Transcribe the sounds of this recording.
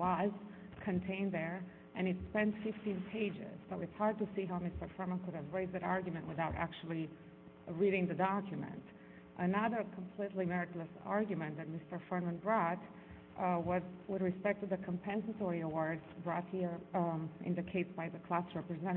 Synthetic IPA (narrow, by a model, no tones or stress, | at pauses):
wʌz | kʰɨ̃ntʰẽɪ̃nðə˞ | ʔɨ̃ñɨtspɛ̃ntfɪftĩnpʰeɪd͡ʒɪ̰z̥bəɨtshɑɹd̚tɨsiɦaʊmɪstə˞fɛ̃˞mə̃nkʊɾɨvɹeɪzðæɾɑɹɡjmɨ̃nʔwɨθaʊɾæ̰k̚t͡ʃul̩ˠi | ɹiɾɪ̃ŋðɨdɑkʰjɨmɨ̰̃nt | ʔənʌðə˞kʰə̃m̩pʰl̥itˡlimɛɹɨtˡləsɑ̰ɹɡjɨmɨ̃nðɨt̚mɪstə˞fɛ̃ɹnmə̃nbɹɔt | wʌzwɪðɹɨspɛk̚tʰɨðɨkʰə̃mpʰɛ̃nsətɔɹiəwɔɹdz̥bɹɔt̚hi˞ʔɪ̰̃ndɨkʰeɪtsbaɪðəkʰl̥æsɹɛpɹɨzɛ̃ɾ̃